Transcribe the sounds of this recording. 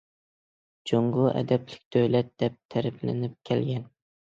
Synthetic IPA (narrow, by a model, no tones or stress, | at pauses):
d͡ʒoŋɡʊʔæ̰d̪æplɪ̥k̚ʲd̪̥owlɛt̪̚d̪̥ɛp̚t̪ʰːæɾɪplɪ̰nɪp̚kʲʰɛlɡʲɛn